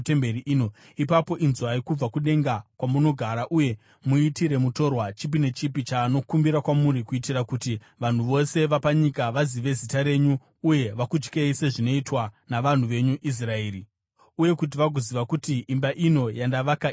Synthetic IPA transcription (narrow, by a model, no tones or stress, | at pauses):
tembeɾiʔiːno | ipapo̞ʔinzuaikub͡vakuɗe̞ŋɡakwamuno̞ɡʱaɾaʔuje̞ | muitiɾe̞muto̞rwat͡ʃip̬ine̞t͡ʃipit͡ʃaːno̞kumbiɾakwamuɾikuitirakuti | ʋan̤uʋo̞se̞ʋapaɲikaʋaziʋe̞zitaɾe̞ɲuː | je̞ʋakud͡ʒkeise̞ʐino̞itwanaʋan̤uʋe̞ɲuʔis̬rae̞ːɾi | uje̞kut̬iʋaɡoziʋakutiimbaʔino̞jandaʋaka